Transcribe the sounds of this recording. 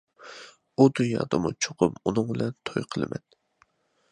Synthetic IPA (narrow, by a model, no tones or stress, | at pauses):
ud̪ynjɑ̰ːd̪ɑmut͡ʃʰoqʰʊmunɨŋbɪlɛnt̪ʰojqʰəlˠɨmɛ̰n